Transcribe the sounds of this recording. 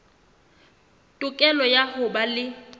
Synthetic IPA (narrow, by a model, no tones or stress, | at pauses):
tʼʊkʼɛlɔjahʊbalɪ